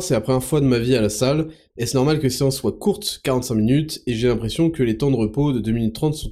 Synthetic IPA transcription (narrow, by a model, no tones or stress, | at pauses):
sɛapχɛɛfwad̪əmavialasal | ɛsnɔʁmalkəeseɑ̃sːwakuʁt̪kaʁɑ̃t̪sɛ̃minyt̪eʒelɛ̃pχesjɔ̃kəlet̪ɑ̃d̪əʁəpod̪əd̪øminyt̪ːχɑ̃t̪sɔ̃